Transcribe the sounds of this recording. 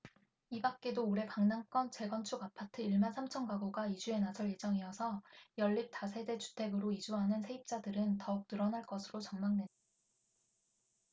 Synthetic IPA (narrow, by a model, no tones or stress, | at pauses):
ibak̚k͈e̞doːɾe̞kaŋnank͈ʌnt͡ɕe̞ɡʌnt͡ɕʰuɡapʰatʰɯiɭmansʰamt͡ɕʰʌŋɡaɡoɡaid͡ʑue̞nasʰʌɭje̞d͡ʑʌŋiʌsʰʌjʌɭːip̚tasʰe̞de̞t͡ɕu̥tʰe̞ɡɯɾoid͡ʑuɦanɯnsʰe̞ip̚t͡ɕ͈adɯɾɯntʌuk̚t͈ɯɾʌnaɭk͈ʌsʰɯɾot͡ɕʌŋmaŋdwe̞nda